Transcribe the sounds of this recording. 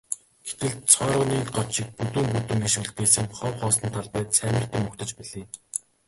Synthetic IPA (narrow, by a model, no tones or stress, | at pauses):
ɡ̥et̪ɘ̆ɮt̪t͡sʰɔːɾʊːniːɢɔt͡ɕɪ̆k̚put̪uːmput̪ɘ̆ŋɡeʃɵ̆ɮt̪eːsɘ̆ŋχɔwχɔːsə̆nt̪ʰːaɮpæːt͡sʰæːmʲɪ̆r̥t̪ĭːŋmɵkt̪ə̆t͡ɕpiɮeː